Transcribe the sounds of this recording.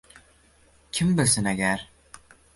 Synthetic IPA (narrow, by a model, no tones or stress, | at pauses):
kʲʰimbɪlʲsɪnæɡʲæɾ